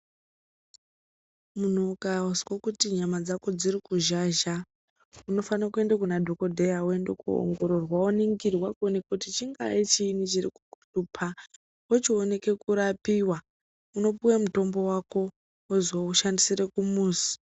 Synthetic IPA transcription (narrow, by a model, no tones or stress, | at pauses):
mun̤okauskokutiɲamad͡zako̞d͡ziɾikuʒaʒa | uno̞fanakue̞ndekunadʱo̞ko̞dʱe̞jauendekṵo̰ŋɡo̞ɾo̞rwauniŋɡirwakonekutit͡ʃiŋɡa̰et͡ʃiːnit͡ʃirḭkukutupʰa | ot͡ʃione̞ke̞kuɾapiwa | uno̞puwemuto̞mbo̞wako̞ | ozwouʃandisire̞kumuːsi̥